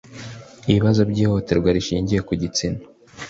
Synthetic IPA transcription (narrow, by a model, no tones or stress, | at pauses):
iβiβazo̞bɟiːho̞te̞ɾɡwaɾiʃiːɲɟije̞kuɟit͡sino̥